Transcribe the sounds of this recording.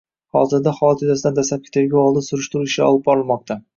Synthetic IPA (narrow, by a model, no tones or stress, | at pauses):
hɒzɪɾd̪aχɒlˠat̪juzasɪd̪and̪aslap̚kʲe̥t̪ʰaɾɡʲaɒlˠd̪ɪnsʊɾʊʃt̪ʊɾuɪʃɪɒ̰lˠɪp̚bɒɾɪlˠmɒq̚t̪ʰa